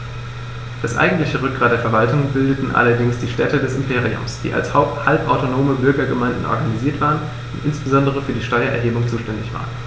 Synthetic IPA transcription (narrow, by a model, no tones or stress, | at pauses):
d̥asʔa̰ɪɡŋ̩tlɪçəʁʏk̚ɡ̥ʁaːt̚d̥eːɐfɛɐvaltʊŋbɪldətn̩ʔa̰lɐdɪŋsd̥iːʃtɛtədɛsɪmpʰeːʁiʊ̰msd̥ḭːʔa̰lshaʊpthalpʔaʊtonoːməbʏɐɡɐɡəmaɪndn̩ʔɔ̰ɐɡaniziːɐtv̥aːʁən | ʊntʔɪnsb̥əzɔndəʁ̞əfyːɐdiːʃtɔʏɐʔɛ̰ɐɦeːbʊŋt͡suːʃtɛndɪçv̥a̰ːʁən